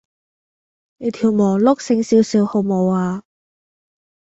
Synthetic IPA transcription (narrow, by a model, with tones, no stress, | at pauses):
ne˨˧t̪ʰi˨˩wmɔː˨˩lʊ˥k̚sɪ˧ŋsiː˧wsiː˨˧who˨˧wmo˨˧waː˧